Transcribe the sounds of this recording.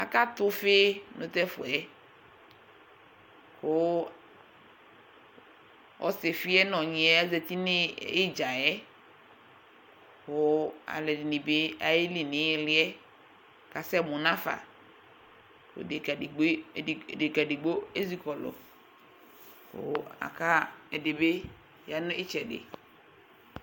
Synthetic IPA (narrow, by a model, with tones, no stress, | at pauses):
a̰˨ka˦t̪ʊ˦fe˦nʊ̃˨t̪ɛ˦fʊ̰˨ɛ˦ | kʊ˦ | ɔ̰˨sɪ˨fɪ˦ɛ˦nɔ̃˨ɲĩ˨ɛ˦ɛ˦zɛ˨t̪i˦nɪ˦ɪ˦d͡ʒa˨jɛ˦ | kʊ˦a̰˨lɛ˨di˨ni˨bɪ˦a˨je˦li˨nɪ̃˨˦ɪ˦lɪ˦ɛ˦ | ka˨sɛ˦mʊ˨nã˦fa̰˨ | o̰˨de˨ɡa˨di˨ɡ͡bde˨ɡa˨dɪ˨ɡ͡bo˦e˦zi˦kɔ˨lɔ̰˨ | ho̰˨a̰˨ka˦ɛ˨dɪ˨be˦ | ja˨nʊ̃˦ʔɪ˦t͡ʃɛ˨dɪ̰˨